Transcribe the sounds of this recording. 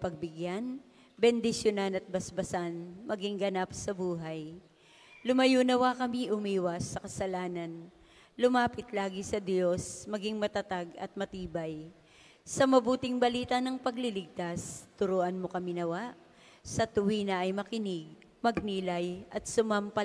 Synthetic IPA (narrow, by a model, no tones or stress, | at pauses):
pɐɡ̚bɪɡjan | bɛnd̪ɪsjonanɐt̪̚bɐsbɐsanmɐɡɪŋɡɐnapsɐbuːɦaj | lʊmɐjuːnɐwakɐmiʔʊmiːwɐsːɐkɐsɐlaːnɐn | lʊmaːpɪt̪laːɡɪsɐd̪jo̞smɐɡɪŋmɐt̪ɐt̪aɡɐ̰t̪̚mɐt̪iːbɐj | sɐmɐbuːt̪ɪŋbɐliːt̪ɐnɐŋpɐɡlɪlɪɡ̚t̪ast̪ʊɾoːʔɐnmokɐminɐwaʔ | sɐt̪ʊwiːnɐʔɐjmɐkɪnɪɡ̚ | mɐɡ̚niːlɐjʔɐt̪̚sʊmɐmpɐ